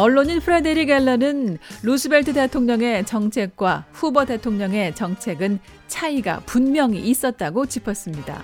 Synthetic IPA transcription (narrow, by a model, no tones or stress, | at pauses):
ʌɭːoɲinpʰɯɾedeɾiɡeɭːʌnɯnlusʰɯbeɭtʰɯte̞tʰoŋɲʌŋe̞t͡ɕʌŋt͡ɕʰe̞k̚k͈waɸubʌde̞tʰoŋɲʌŋe̞t͡ɕʌŋt͡ɕʰe̞ɡɯn | t͡ɕʰaiɡa̰punmjʌŋiːs͈ʌt̚t͈aɡot͡ɕipʰʌs͈ɯmɲida̰